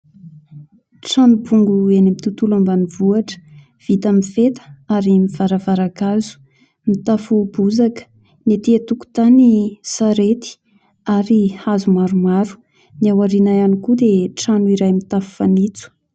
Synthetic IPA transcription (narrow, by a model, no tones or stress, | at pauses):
ʈ͡ʂanubuŋɡuenimit̪ut̪ulambanivuaʈ͡ʂə̥ | v̥it̪amifet̪ə̥aɾimiv̥aɾavaɾakazu̥ | mit̪afubuzakə̥ | net̪iat̪uku̥t̪anisaɾet̪i̥ | aɾihazumaɾumaɾu̥ | niawaɾinajanikud̪eʈ͡ʂanuiɾajmit̪afu̥fanit͡su̥